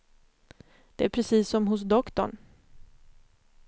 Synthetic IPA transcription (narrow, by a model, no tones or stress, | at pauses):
d̪̥ɛæɾpʰɾɛsiːsːɔmɦʊs̬d̪ɔkt̪ɔ̰ɳ